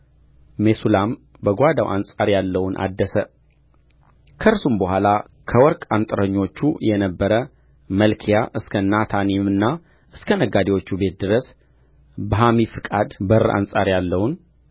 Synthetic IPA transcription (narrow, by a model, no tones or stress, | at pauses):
mesulam | bəɡʷad̪a̰wʔansʼaɾjalːəwunʔa̰d̪ːəsə | kʰəɾsumbəhʷala | kʰəwɔɾkʼant̪ʼɨɾəɲːo̞t͡ʃːujɛnəbːəɾə | məlkʰijaʔɨskʰənːat̪ʰanimɨnːa | ʔɨskʰənəɡad̪ewo̞t͡ʃːube̞t̪̚d̪ɨɾəs | bəɦamifɨkʼad̪bəɾʔa̰nsʼaɾjalːəwʊn